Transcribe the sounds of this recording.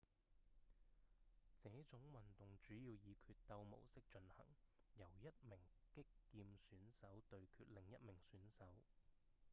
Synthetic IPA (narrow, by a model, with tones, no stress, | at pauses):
t͡sɛː˨˥t͡sʊ˨˥ŋwɐ˨nt̪ʊ˨ŋt͡ʃyː˨˥jiː˧wjiː˨˧kʰyː˧t̚t̪ɐ˧wmo̰˨˩wsɪ˥k̚t͡ʃɵ˧nhɐ̰˨˩ŋjɐ˨˩wjɐ˥t̚mɪ˨˩ŋkɪ˥kːiː˧msyː˨˥nsɐ˨˥wt̪ɵ˧ɥkʰyː˧t̚lɪ˨˩ŋjɐ˥t̚mɪ˨˩ŋsyː˨˥nsɐ˨˥w